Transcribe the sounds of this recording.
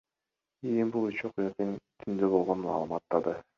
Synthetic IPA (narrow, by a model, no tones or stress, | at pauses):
ijimbulˠyt͡ʃoqujɑt̪ent̪ʰynd̪øbo̞lˠʁo̞nmɑ̰ːlˠɯmɑt̪ːɑd̪ɯ